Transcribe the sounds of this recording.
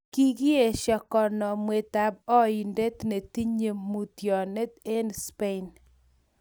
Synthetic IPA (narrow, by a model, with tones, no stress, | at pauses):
ki˦ɡi˦e˨ʃɔ˨kɔ˨nɔ˨mwe˨t̪a˨b̚ɔ˦i˨nde˦t̪ne˨ti˦ɲe˨mu˨tjɔ˨ne˦t̪e˦nspe˦n